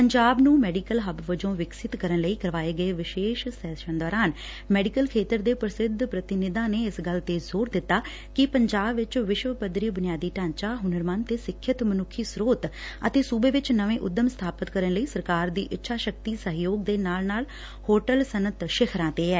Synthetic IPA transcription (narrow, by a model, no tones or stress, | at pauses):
pəɲd͡ʒaːbnũːmɛːɖiːkəlɦəbʋəd͡ʒõːʋɪksɪt̪kəɾənləiːkəɾʋaːeːɡəeːʋɪʃeːʃsɛːʃənd̪ɔːɾaːn | mɛːɖikəlkʰeːt̪əɾd̪eːpɾəsɪd̪ʱpɾət̪ɪnɪd̪ãːneːɪsɡəlt̪eːzoːɾd̪ɪt̪ːaː | kɪpəɲd͡ʒaːbʋɪt͡ʃʋɪʃʋəpəd̪ɾiːbʊnɪjaːd̪iːʈãːɲt͡ʃaːɦʊnəɾmaːnt̪eːsɪkʰːjət̪mənʊkʰːiːsɾoːt̪ə̰t̪eːsuːbeːʋɪt͡ʃnəʋẽːʔʊd̪ːəmst̪ʰaːpət̪kəɾənləiːsəɾkaːɾd̪ḭːʔɪtːʃʰaːʃək̚t̪iːsəɦjoːɡ̚d̪eːnaːlnaːl | hoːʈəlsənət̪ʃɪkʰɾãːt̪eːɛː